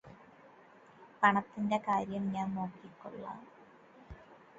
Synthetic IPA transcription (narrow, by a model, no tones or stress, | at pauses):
pɐɳɐt̪ːinde̞kaːɾjɐmɲaːnnoːkːikːṵɭːɐ̰